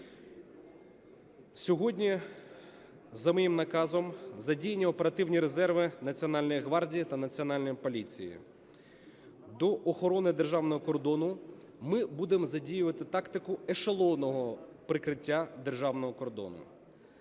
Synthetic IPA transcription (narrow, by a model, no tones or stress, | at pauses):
sʲɔɦɔdʲnʲi | zɐmɔjimnɐkɑzɔmzɐdʲijenʲːiɔpeɾɐt̪ɪwnʲiɾezɛrʋɪnɐt͡sʲiɔnɑlʲnɔjiɦʋɑrdʲijit̪ɐnɐt͡sʲiɔnɑlʲnɔjipɔlʲit͡sʲḭjḭ | d̪ɔʔɔxɔɾɔnɪd̪erʒɑwnɔɦɔkɔrd̪ɔnʊ | mɪbud̪emzɐdʲijʊʋɐt̪ɪt̪ɑkt̪ɪkʊeʃɐlˠɔwnɔɦɔpɾɪkɾɪtʲːad̪erʒɑwnɔɦɔkɔrd̪ɔ̰nʊ̰